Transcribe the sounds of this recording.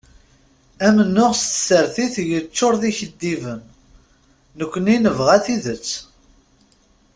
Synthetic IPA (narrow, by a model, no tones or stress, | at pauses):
æmənːʊʁst̪ə̥səɾθiθjət͡ʃːoɾðiçəd̪ːivənː | əkʷːəninəvʁæθiðət͡sː